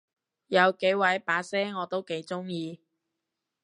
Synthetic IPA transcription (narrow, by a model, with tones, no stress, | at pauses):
jɐ˨˧wke˨˥jwɐ˨˧˥jpaː˨˧˥sɛː˥ŋɔː˨˧t̪o˥wke˨˧˥jt͡sʊ˥ŋjiː˧